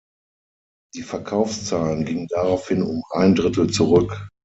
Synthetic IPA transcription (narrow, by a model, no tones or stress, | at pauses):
d̥iːfɛɐkʰaʊfst͡saːlənɡɪŋəndaʁaʊfhɪnʊ̰mʔaɪndʁɪtl̩t͡suʁʏk